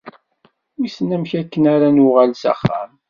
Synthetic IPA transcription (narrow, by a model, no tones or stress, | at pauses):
isnæmçækːənaɾanʊʁælsæ̰χːa̰m